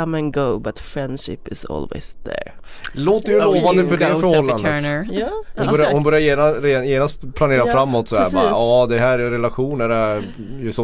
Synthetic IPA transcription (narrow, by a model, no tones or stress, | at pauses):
ʌ̃mə̃nɡoʊbat̪fɹɛ̃nd̥ʃɪ̰pɪzɔ̰lˠwɪ̰zðə̰ɹ | loːt̪ːɛɾjɵloːvand̪əfœɛhæfœɾhɔlːandəəhʊnbœɾjahʊnbœɾjajeːnaɾeːjeːnast̪pʰlaneːɾafɾamːɔt̪sɔɛæːɾbɑ̰ːɾ̰ɑːd̪ɛɦæːɾɛnɾɛlaɧuːnæɾɛ | jʉsɔ